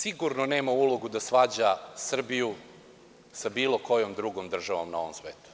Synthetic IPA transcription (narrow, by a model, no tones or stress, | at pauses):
siɡuɾnoneːmaulˠo̞ɡud̪asʋad͡ʑasr̩biju | sabiːlo̞ko̞jomd̪ɾuɡomd̪r̩ʒaʋo̰mnao̞ʋomsʋeːt̪u̥